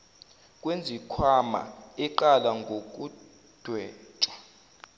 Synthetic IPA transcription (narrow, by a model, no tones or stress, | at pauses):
kʼwend͡zʱikʰwama̰ɛǃalaŋɡʱok̬ʼu | d̥ʱwɛːt͡ʃʼḁ